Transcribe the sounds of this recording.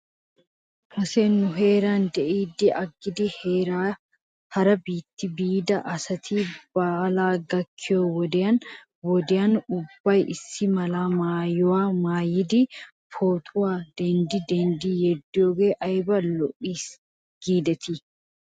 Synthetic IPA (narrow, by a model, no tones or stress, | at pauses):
kɐseːnːʊɦe̞ːɾaːnd̪ɛʔiːd̪ɪɐɡːɪd̪ɪheːɾaː | hɐɾɐbiːt̪ːɪbiːd̪ɐʔɐsɐt̪ʰiːb̥aːlaːɡɐkʰːɪjoːwɔd̪ɪɐn | wɔd̪ɪɐnʊbːɐjʔɪsːɪmɐlaːmaːjʊwaːmaːjɪd̪i | pʰoːt̪ʼʊwaːd̪̥ɛnd̪id̪ɛnd̪iːjɛd̪ːoːɡeːʔɐjbɐlːɔʔiːs | ɡ̥iːd̪ɛt̪ɪ